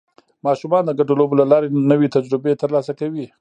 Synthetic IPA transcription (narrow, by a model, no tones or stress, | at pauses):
mɑʃumɑnd̪əɡaɖolobolalɑɾenəwet̪ad͡ʒɾɪbet̪əɾlɑsakawi